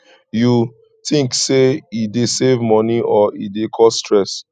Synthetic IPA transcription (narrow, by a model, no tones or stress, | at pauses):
ju | tĩŋkseidesevmɔniʔɔidekʰɔsstɹɛs